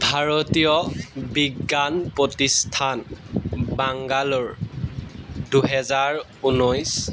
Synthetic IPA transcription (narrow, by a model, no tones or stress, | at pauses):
bʱaɹɔtijɔbiɡːanpɹɔtistʰan | baŋɡalɔɹ | duɦɛzaɹ | unɔjs